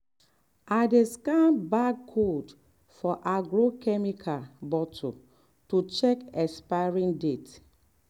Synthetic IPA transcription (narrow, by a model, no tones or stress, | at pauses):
adeskãnbaɡ̚kʰod | fɔʔaɡɹokɛmikʰabɔtʰo̰ | tut͡ʃɛkɛspaɹĩndet